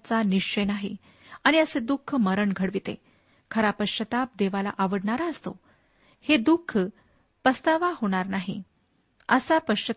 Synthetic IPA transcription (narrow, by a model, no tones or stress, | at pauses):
t͡saniʂt͡ɕəjnaɦḭ | aɽ̃iəsed̪ukʰəməɾəɳɡʱəɽʋit̪ḛ | kʰəɾapəɕət̪ap̚d̪eʋala̰ʔaʋəɽɳaɾaəst̪o̰ | hed̪ukʰ | pəst̪aʋaɦoɽ̃aɾnaɦḭ | əsapəɕə